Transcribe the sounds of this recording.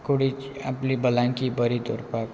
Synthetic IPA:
koɽit͡ʃ | aplibəlãŋkibəɾit̪o̰ɾpak

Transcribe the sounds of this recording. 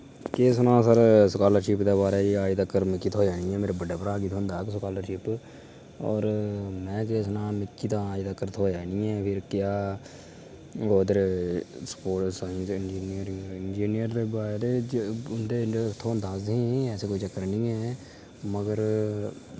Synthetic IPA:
keːs̬nãːsəɾsʊkaːləɾʃɪːpd̪eːbaːɾeːaːid̪əkːəɾmɪkːiːt̪ʰoːaːnĩɛ̃ːmeːɾebəɖeːpəɾaːɡiːt̪ʰoːnd̪aːksʊkaːləɾʃɪːp | ɔ̰ːɾmɛ̃ːk̬eːsnãːmɪkːiːt̪ãːid̪əkːəɾt̪ʰoːd͡ʒaːnĩːɛ̃ːpʰɪɾkjaː | oːd̪əɾspoːʈsɪnd͡ʒiːnɪjəɾɪnd͡ʒiːnijəɾd̪eːbaːɾeːd͡ʒʊnd̪eːt̪ʰoːənd̪aːzɦĩːɛːseːkoːiːt͡ʃəkːəɾnĩːɦɛː | məɡəɾ

